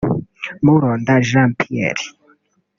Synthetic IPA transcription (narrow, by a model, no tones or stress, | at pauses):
muɾɔnd̪aʒampʰiɛ̰ɾi̥